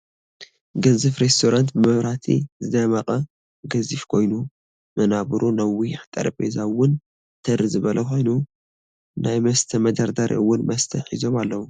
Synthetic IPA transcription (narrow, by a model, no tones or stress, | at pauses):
ɡɐzɨfɾest̪ʰoɾant̪bɨmɐβɾat̪ʰḭzɨd̪ɐmɐkʼɐ | ɡɐzifkʰo̞jnu | mɐnaβɨɾunɐwiħt̪ʼɐ̰ɾɐbʼezawʊn | t̪ʰɐɾɨzɨβɐlʔɐkʰo̞jnu | najmɐst̪ʰɐmɐd̪aɾd̪aɾʔḭʔɨwːʊnmɐst̪ʰɐħizo̞malːɐwu